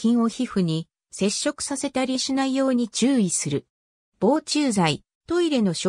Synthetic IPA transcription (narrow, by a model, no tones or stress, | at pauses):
ĩɰ̃o̞çiɸɯ̟ɲ̟i | se̞ɕːo̞kɯ̟̥sase̞t̪aɾʲiɕinaijo̞ːɲ̟it͡ɕɨːisɨɾɯ̟ | b̥o̞ːt͡ɕɨːzai | t̪o̞iɾe̞no̞ɕo